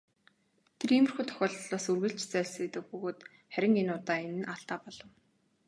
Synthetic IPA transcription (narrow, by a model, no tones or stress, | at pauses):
t̪ʰerimɘ̆rxuːjt̪ʰœ̥xʲɔːɮɮɔːsurɣɘ̆ɬt͡ɕt͡sæːɮseːt̪ɘ̆k̚pɵɣoːt̪ | χæɾʲɪ̆ŋenʊːt̪aːenɘ̆nʔaɮt̪aːpɔɮɞ̆w